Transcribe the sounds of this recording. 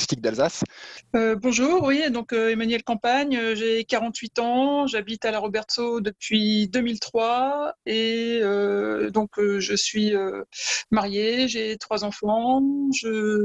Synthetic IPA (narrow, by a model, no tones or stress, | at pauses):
st̪ik̚d̪alzasøbɔ̃ʒuːʁwid̪ɔ̃køemanɥɛlkɑ̃paɲøʒekaʁɑ̃t̪ɥit̪ɑ̃ʒabit̪alaʁɔbɛʁt̪sod̪əpɥid̪əmilt̪χwaeød̪ɔ̃køʒəsɥiømaʁjeʒet̪χwazɑ̃fɑ̃ʒə